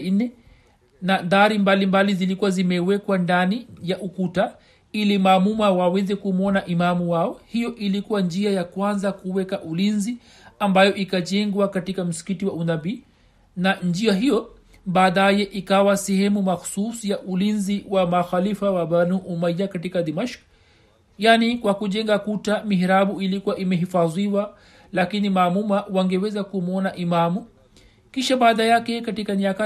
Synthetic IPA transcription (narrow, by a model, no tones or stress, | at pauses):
nɛ | naðaɾimbalimbalizilikuwazimɛwɛkwandanijaʔukuta | ilimaːmumawawɛzɛkumɔnaʔimamuwaɔhijɔʔilikuwand͡ʒiajakwanzakuwɛkaʔulinzi | ambajɔʔikaʄɛŋɡwakatikam̩si̥kitiwaunabiː | nand͡ʒiaɦijɔ | ɓaːɗajɛʔikawasɛhɛmumaxu̥susijaʔulinziwamaxalifawaɓanuːʔumajakatikaɗimaʃk | janikwakuʄɛŋɡakutamiɦiɾaɓuilikuwaʔimɛɦifaðiwa | lakinimamumawaŋɡɛwɛzakumɔnaʔimamu | kiʃaɓaːðajakɛkatikaniaka